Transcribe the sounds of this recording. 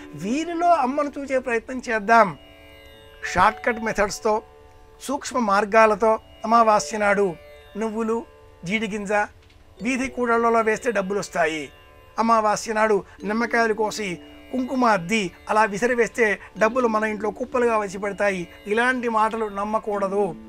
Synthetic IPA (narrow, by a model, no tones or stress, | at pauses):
ʋiːɾilo̞ːɐmːɐnut͡ʃuːt͡ʃe̞ːpɾɐjɐt̪nɐmt͡ʃɛːd̪ːaːm | ʂaːɾʈkɐʈmɛt̪ʰɐɖst̪o̞ː | suːkʂmɐmaːɾɡaːlɐt̪oː | ɐmaːʋaːsjɐnaːɽu | nuʋːulu | d͡ʒiːɽiɡ̬ind͡ʒa | ʋiːd̪ʱikuːʈɐlːɐloːʋeːst̪e̞ːɖɐbːulɐst̪aːji | ɐmaːʋaːsjɐnaːɽunɪmːɐkaːlukoːsi | kuŋkumaːd̪ːiɐlaːʋisɐɾiʋeːst̪e̞ːɖɐbːulumɐnɐiɳʈ̬lo̞ːkuːpːɐluɡaːʋɐt͡ʃːip̬ɛɽɐt̪aːji | ilaːɳʈimaːʈ̬ɐlunɐmːɐkuːɽɐd̪u